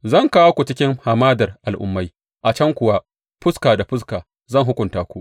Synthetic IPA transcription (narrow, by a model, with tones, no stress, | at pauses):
zɐ˦˨ŋkaː˦wa˦kʷu˨t͡ʃɪ˦kʲɪ˦ŋhaː˨maː˦dɐ˨rʔa˨lʔʊ̰˦mːa˦j | ʔa˨t͡ʃɐ˦ŋkʷʊ˨wa˦ | ɸʊ˦skaː˨da˨ɸʊ˦s̬kaː˨ | zɐ˦˨ŋɦʊ˦kʷʊ˨ntaː˦kʷu˦ʔ